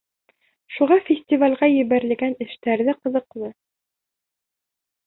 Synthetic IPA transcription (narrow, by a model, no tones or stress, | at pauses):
ʃuʁɑfʲɪsʲt̪ʲivalʲʁɑjɘ̆βæɾɘ̆lɡænɘ̆ʃt̪æɾðɘqɤ̆ðɤ̆qlˠɤ